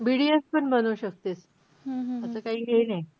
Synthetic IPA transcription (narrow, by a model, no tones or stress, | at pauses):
biɽiəspəɳbənuwɕək̚t̪es | əsəːkaɦiːɦenaj